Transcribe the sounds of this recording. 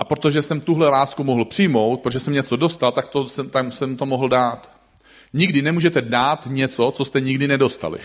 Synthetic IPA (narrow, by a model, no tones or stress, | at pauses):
ʔapɾot̪o̞ʒɛsɛmt̪uɦlɛlaːskumoɦl̩pr̥ɪjmo̞wt̪pɾoʒɛsɛmɲɛt͡so̞do̞st̪alt̪ak̚t̪osɛmt̪asɛmt̪o̞moɦl̩daːt̪ | ɲɪɡdɪnɛmuːʒɛt̪ɛdaːt̪ɲɛt͡so̞t͡so̞st̪ɛɲɪɡdɪnɛdo̞st̪a̰lɪ̰